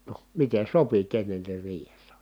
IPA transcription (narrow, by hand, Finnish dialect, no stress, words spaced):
no miten̞ sopi kenːenːir riːhesːæ